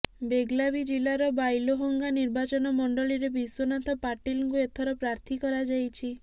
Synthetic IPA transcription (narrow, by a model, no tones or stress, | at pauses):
beɡlabid͡ʒilaɾɔbajloɦoŋɡaniɾbat͡ʃɔnɔmɔɳɖɔliɾebʱiswonat̪ʰɔpaɾʈilŋkuet̪ʰɔɾɔpɾaɾt̪ʰikɔɾad͡ʒajt͡ʃʰi